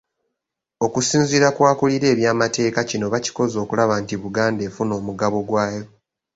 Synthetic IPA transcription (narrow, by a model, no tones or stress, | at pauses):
o̞kusiːnziɾakwaːkuliɾe̞ːβjaːmate̞ːkacino̞βaci̥ko̞zo̞ːkulaβantiβuɡaːnde̞ːfuno̞ːmuɡaβo̞ɡwaːjo̞